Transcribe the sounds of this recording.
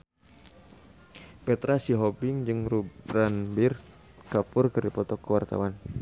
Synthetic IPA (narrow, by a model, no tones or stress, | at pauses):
pɛt̪ɾasiɦɔbɪŋd͡ʒɨŋruɾanbir | kapurkɨrdipɔt̪ɔkːəwart̪a̰wan